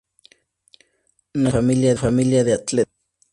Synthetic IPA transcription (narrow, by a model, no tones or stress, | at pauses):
nafamiljaðfamiljaðiat̪lɪ